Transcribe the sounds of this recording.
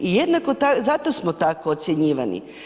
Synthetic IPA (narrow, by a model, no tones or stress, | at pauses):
ijed̪nakot̪azat̪osmot̪akoːt̪sʲjeɲiːʋanḭ